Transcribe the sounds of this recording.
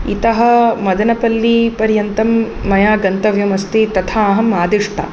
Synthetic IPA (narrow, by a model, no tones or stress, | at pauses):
ḭt̪ɐɦɐ̆mɐd̪ɐnɐpɐlːipɐɾjɐnt̪ɐmː | ɐjaːɡɐnt̪ɐʋjɐmɐst̪it̪ɐt̪ʰaɐɦɐmaːd̪iʂʈʰɐ̰